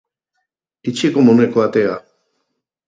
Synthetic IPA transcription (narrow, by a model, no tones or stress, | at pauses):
it͡ʃikomonuekoat̪ea